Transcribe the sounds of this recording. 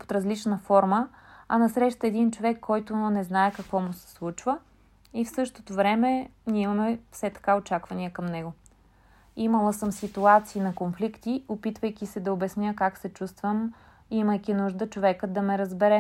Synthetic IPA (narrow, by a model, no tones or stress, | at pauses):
o̥t̪ɾɐzlit͡ʃnəfɔɾmə | ɐnɐsɾɛʃt̪əɛd̪int͡ʃovɛkʰːɔjt̪ʊnɛznaɛkɐkvɔmusɛ̥slˠut͡ʃvə | ifsɤʃt̪ot̪ovɾɛmɛniɛimɐmɛfsɛt̪ɐ̥kaot͡ʃakvɐniəkɐmnɛɡʊ | iməlˠəsəmsit̪uat̪siːnɐkonflikt̪iopit̪vəjkʲisɛd̪ɐobɛsnjəkaksɛt͡ʃust̪vəm | iməjkʲinuʒd̪ət͡ʃovɛkəd̪ɐmɛɾɐzbɛɾɛ